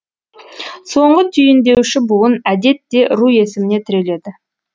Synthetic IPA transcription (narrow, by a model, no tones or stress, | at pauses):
so̞ɴɢət̪ʰʏjɪnd̪e̞wʃɪbʊwənæd̪e̞t̪ːe̞ʔɾuje̞sɪmɪne̞t̪ʰɪɾe̞le̞d̪ɪ